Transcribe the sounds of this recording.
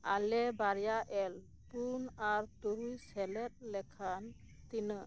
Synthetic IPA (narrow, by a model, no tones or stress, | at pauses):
a̰lɛbaɾjaʔɛl | punaɾt̪uɾujsɛlɛt̪̚lɛkʰan | t̪inɯ